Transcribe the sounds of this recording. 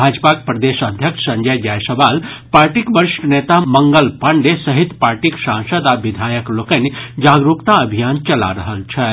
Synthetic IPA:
bʱad͡ʒpak̚pɾəd̪esəd̪ʱjəkʂʰsənd͡ʒəjd͡ʒajsəbalpaɾʈikbəɾiʃʈənet̪aməŋɡəlpaɳɖesəɦit̪paɾʈiksãŋsəd̪abid̪ʱajəklokənid͡ʒaɡɾukt̪aəbʱijant͡ʃɐla̰ɾəɦəlt͡ʃʰə

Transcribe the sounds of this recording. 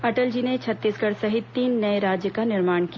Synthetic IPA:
ɐʈəld͡ʒiːnet͡ʃʰɐt̪ːiːskɐɽsɐɦɪt̪t̪ːiːnːɐeɾaːd͡ʒjəkanɪɾmaːɳ̃kia

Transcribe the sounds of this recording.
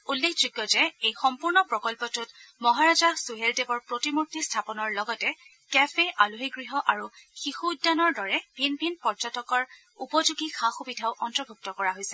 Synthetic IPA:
ulːekʰd͡ʒʊɡːɔzɛejxɔmpuɹnɔpɹɔkɔlpɔtʊtmɔɦaɹazasuɦeldebɔɹpɹotimuɹ̚tistʰapɔnɔɹlɔɡɔtɛ | kɛpʰeʔaluɦiɡɹiɦɔʔaɹuxixuujdːanɔɹdɔɹɛbʱinbʱinpɔɹzɔtɔkɔɹ | upɔzuɡixaxubidʱaʊʔɔntɹɔbʱuk̚tɔkɔɹaɦojsɛ

